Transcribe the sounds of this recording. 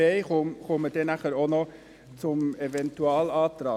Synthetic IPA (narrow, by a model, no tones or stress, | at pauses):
eɪχoχʊməd̥ɛnæχəɾonɔ | t͡sʊmevɛntuɑːlɑːtrɑː